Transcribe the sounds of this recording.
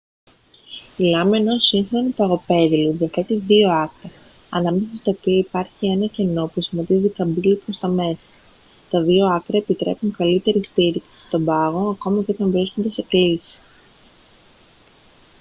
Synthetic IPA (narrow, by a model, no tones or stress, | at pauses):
ilɐme̞nosiŋxɾonit̪ɐɣo̞pe̞ðilunðɐfet̪iðio̞ɐkɾɐ | ɐnɐme̞sɐst̪ɐopiɐipɐɾçie̞nɐce̞no̞pusimɐt̪izik̪ɐbilipɾo̞st̪ɐme̞sɐ̥ | t̪ɐðio̞ɐkɾɐepit̪ɾe̞̰puŋkɐlit̪e̞ɾist̪iɾiksi̥st̪o̞mbɐɣo̞ɐko̞mɐceo̞t̪ɐɱvɾisko̞nd̪e̞se̞klisi̥